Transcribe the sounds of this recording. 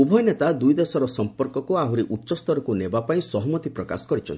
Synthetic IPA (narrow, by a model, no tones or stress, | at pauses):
ubʱɔjnet̪ad̪ujd̪esɔɾɔsɔmpɔɾkɔkuaɦuɾiʔutːʃɔst̪ɔɾɔkunebapaĩsɔɦɔmɔt̪ipɾɔka̰sɔ̥kɔɾit͡ʃʰɔ̰nt̪ʰi